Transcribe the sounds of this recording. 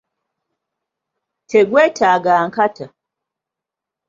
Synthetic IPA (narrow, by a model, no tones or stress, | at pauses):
tʰɛɡwɛtʰaɡaŋ̩kata